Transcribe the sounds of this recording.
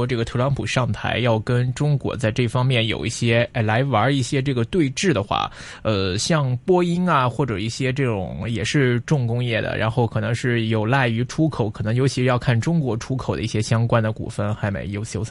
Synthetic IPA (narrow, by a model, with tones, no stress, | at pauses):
ʈ͡ʂɤ˥˩ɡə˩t̪ʰɤ˧˥lɑ˧˥ŋpʰu˨˩ʂɑ˥˩ŋt̪ʰa̰˧˥ɪjɑ˥˩ʊkə˥nʈ͡ʂʊ˥ŋkwɔ̰˧˥t͡sa˥˧ɪʈ͡ʂɤ˥˩fɑ˥ŋmjɛ˥˩njo̰˨˩ʊi˥˩ɕjɛ˥a˧˥˩la˧˥ɪwə˞˧˥i˥˩ɕjɛ˥ʈ͡ʂɤ˥˩ɡə˩t̪we˥˧ɪʈ͡ʂɻ̩˥˩d̪ə˩xwa̰˥˩ | ə˧ɕjɑ˥˧ŋpwɔ˥i˥na˨xwɔ˥˩ʈ͡ʂɤ˨˩i˥˩ɕjɛ˥ʈ͡ʂɤ˥˩ʈ͡ʂʊ̰˨˩˦ŋjɛ˨˩ʂɻ̩˥˧ʈ͡ʂʊ˥˩ŋkʊ˥ŋjɛ˥˩d̪ə̰˩ɻʔa̰˧˥nxo˥˩ʊkʰɤ˨˩nɤ˧˥ŋʂɻ̩˥˩jo˨˩ʊla˥˩ɪy˧˥ʈ͡ʂʰu˥kʰo˨˩ʊkʰɤ˨˩nɤ˧˥ŋjo˧˥t͡ɕʰi˧˥ʂɻ̩˧jɑ˥˧ʊkʰa˥˩nʈ͡ʂʊ˥ŋkwɔ˧˥ʈ͡ʂʰu˥kʰo˨˩ʊə˦˥i˥˩ɕjɛ˥ɕjɑ˥ŋkwa˥nd̪ə˨kṵ˨˩fə˥˩nxa˧˥ɪmḛ˧˥ɪjo˧˥ʊjo˧˥